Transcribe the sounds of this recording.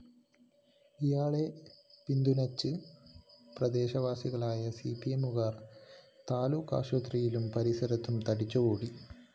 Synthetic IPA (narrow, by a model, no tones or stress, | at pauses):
ijaːɭe̞pind̪unɐt͡ɕːɨ | prɐd̪e̞ːɕɐʋaːsiɣɐɭaːjɐsipːiemuɣaːrt̪aːluːkːa̰ːʂʋɐt̪rijilumpɐɾisɐɾɐt̪ːumt̪ɐɽit͡ɕːɐɣoːɽi